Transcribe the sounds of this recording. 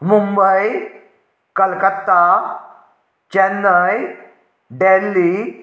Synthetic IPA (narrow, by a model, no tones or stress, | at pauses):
mumbəj | kəlkət̪ːa | t͡ɕɛnːəj | ɖelːi